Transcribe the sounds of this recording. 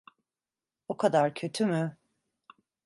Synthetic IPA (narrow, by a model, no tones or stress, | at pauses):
okʰad̪aɾcʰø̞t̪ʰymy